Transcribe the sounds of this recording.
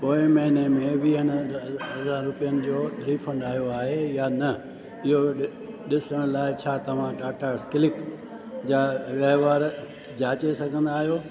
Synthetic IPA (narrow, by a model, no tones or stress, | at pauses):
poːɪmɐɦɪnemẽʋiːɦənɦɐzaːɾːʊpijənɪ̆d͡ʑoːɾiːfʰɐ̃ɳɖaːjoaːɦejanɐ | ɪɦo | ɗɪsəɽ̃laːɪt͡ɕʰaːt̪ɐʋ̤ãʈaːʈaːɾskɪlɪk | d͡ʑaːʋɐɦʋaːɾ | d͡ʑaːt͡ɕesɐɡʱə̃nd̪aːɦijoː